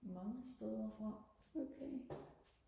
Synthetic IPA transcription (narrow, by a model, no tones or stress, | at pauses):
mɑ̈ŋəsd̥eðˠɐfʁɑokʰe